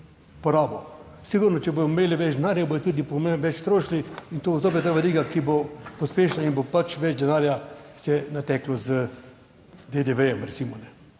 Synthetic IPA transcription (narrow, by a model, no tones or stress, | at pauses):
poɾaːbɔ | siɡuɾnɔt͡ʃɛbojɔmeːliʋɛd͡ʒd̪ɛnaːɾjabojɔt̪uːd̪ipomeʋɛt͡ʃst̪ɾoːʃliint̪oːbozoːbɛt̪aːʋɛɾiːɡakibopɔspeːʃnainbopat͡ʃʋɛd͡ʒd̪ɛnaːɾjasɛnat̪ɛklɔzə | d̪ed̪eʋɛjɛmɾɛsiːmɔnɛ